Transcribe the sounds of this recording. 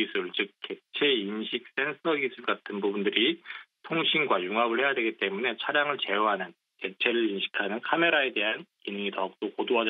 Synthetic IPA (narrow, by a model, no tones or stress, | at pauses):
isʰɯɭt͡ɕɯk̚kʰːe̞t͡ɕʰe̞imɕʰik̚s͈e̞nsʰʌɡisʰɯɭɡatʰɯnbubundɯɾitʰoŋɕʰinɡwajuŋɦabɯɭhe̞jadwe̞ɡit͈e̞mune̞t͡ɕʰaɾjaŋɯɭt͡ɕe̞jʌɦanɯn | ke̞t͡ɕʰe̞ɾɯɭimɕʰi̥kʰanɯnkʰame̞ɾae̞de̞ɦankinɯŋitʌk̚t͈okodoɦad͡ʑ